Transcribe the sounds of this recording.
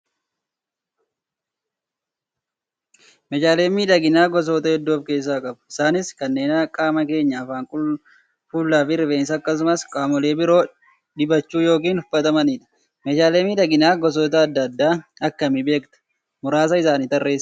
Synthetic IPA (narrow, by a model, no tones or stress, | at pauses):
mɛd͡ʒaːle̞ːmiːᶑɐɡɪnaːɡɔs̬oːt̪ɐhɛd̪ːuːbke̞ːs̬ːaːkʼɐbʊ̥ɪsaːnɪskɐnːe̞ːnɐkʼaːmɐke̞ːɲːaːfaːŋkʊ | fuːlːaːfɪɾɪve̞ːnsɐːkːɐs̬ʊmɐskʼaːmɔle̞ːbɪɾo̞ː | ᶑɪbɐt͡ʃːuːjo̞ːk̬iːnhʊfːɐt̪ɐmɐniːᶑɐ̥ | mɛd͡ʒaːle̞ːmiːᶑɐɡɪnaːɡɔs̬oːt̪̬ɐːd̪ːɐd̪ːaːɐkːɐmɪbe̞ːkt̪ɐ̥ | mʊɾaːs̬ɐɪsaːnɪt̪ɐrːe̞ːs